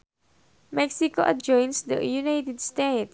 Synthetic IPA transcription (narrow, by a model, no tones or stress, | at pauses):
mɛksikoʔɐ̰d͡ʒɔ̃j̃nsd̪ə̰junajt̪ɛd̪st̪et̪